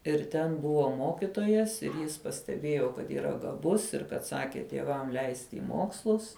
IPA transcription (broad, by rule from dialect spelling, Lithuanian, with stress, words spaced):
ɪr ˈtʲɛn ˈbʊʋoː ˈmoːkʲɪtoːjɛs ɪr ˈjɪs pɐsʲtʲɛˈbʲeːjoː kɐt iːˈrɐ ɡɐˈbʊs ɪr kɐt ˈsɑːkʲɪ tʲiɛˈʋɐm ˈlʲɛɪsʲtʲɪ ɪ ˈmoːkslˠʊs